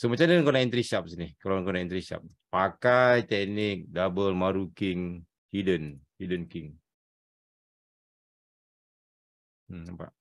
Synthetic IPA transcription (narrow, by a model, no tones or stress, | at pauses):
səmat͡ʃandəŋkonaint̪ɾisap̚sinɪhkalankonaint̪ɾisa̰p̚ | pakajt̪ɛk̚nɪk̚dabəlmaɾukɪŋ | hidənhidənkiŋ | apa̰ʔ